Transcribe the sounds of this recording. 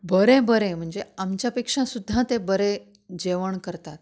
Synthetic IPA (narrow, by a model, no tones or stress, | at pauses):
bəɾẽbəɾẽm̤əɳd͡zeamt͡ɕjapekʂãsud̪ʱːat̪ebəɾẽ | d͡ʑeʋəɳkəɾt̪at̪̚